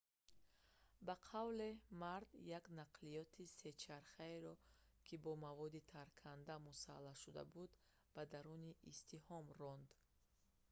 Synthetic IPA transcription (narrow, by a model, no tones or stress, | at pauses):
baqʰavlemaɾd̪jaknaqʰlijɔt̪ʰise̞t͡ʃʰaɾχaeɾɔ | kʰibɔmavɔd̪it̪ʰaɾkʰand̪amusa̰lːaʃud̪a̰bud̪ | b̥ad̪aɾuniʔist̪ʰihɔmrɔnd̪